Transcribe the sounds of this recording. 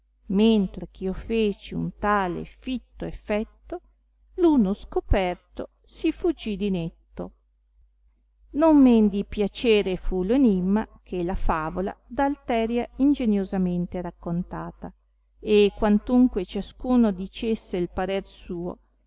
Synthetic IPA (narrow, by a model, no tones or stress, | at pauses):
ment̪ɾek̟ʰiofeːt͡ʃiṵnt̪aːlḛfit̪ːoefɛt̪ːo | luːnoskopɛrt̪o | sifud͡ʒːid̪inet̪ːo | nomːend̪ipjat͡ʃeːɾefuloenimːakʰelafaːvola̰d̪alt̪ɛːɾjaind͡ʒenjozament̪eɾakːont̪aːt̪a | ekːwant̪uŋkwet͡ʃaskuːnod̪it͡ʃesːeilpaɾersuːo̰